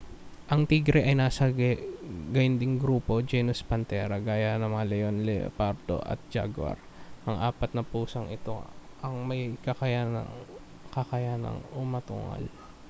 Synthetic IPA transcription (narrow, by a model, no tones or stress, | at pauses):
ʔɐŋt̪iːɡɾɛʔɐjnaːsɐɡɡɐjʊnd̪ɪŋɡɾuːpo̞d͡ʒɛnʊspɐnt̪ɛːɾɐɡaːjanɐmɐŋalɛjonlɛ̰paɾd̪o̞̰ʔɐ̰t̪̚d͡ʒa̰ɡwɐ̰ɾ | ʔɐŋʔaːpɐt̪̚nɐpuːsɐŋʔɪt̪o̞̰ʔɐŋmɐjkɐkɐjanɐ̰ŋ | kɐkɐjanɐ̰ŋʊmɐt̪ṵːŋɐ̰l